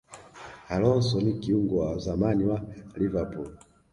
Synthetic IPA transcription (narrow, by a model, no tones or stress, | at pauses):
halɔnsɔnikiuŋɡɔwazamaniwalivapul